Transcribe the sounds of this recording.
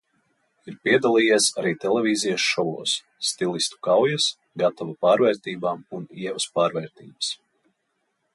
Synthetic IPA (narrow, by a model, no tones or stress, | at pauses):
iɾpiɛd̪alˠiːjɛsaɾiːt̪ɛlˠɛvʲiːzijasʃɔvɔ̰ːsː | t̪ilˠist̪u̥kawjɐs | ɡat̪ɔvapaːɾvɛːɾt̪iːbaːmuniɛvuspaːɾvɛːɾt̪iːbə̥s